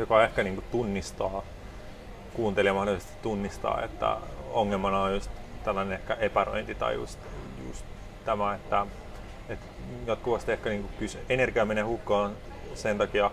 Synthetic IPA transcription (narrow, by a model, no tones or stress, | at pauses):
jokɑehkæniːŋkut̪unːist̪ɑː | kuːnt̪eliɑmɑholiˑlisest̪i̥t̪unːist̪ɑ̰ːḛt̪ːæ̰oŋːelmɑnɑojjust̪t̪ælːænenehkæʔepæro̰int̪it̪ɑ̰ijṵst̪jṵst̪ | t̪æmæet̪ːæ | et̪ | jɑt̪̚kuʋɑst̪iehkæniːŋkupysøenerɡ̥iɑmenehukːɑːn | sent̪ɑkiɑ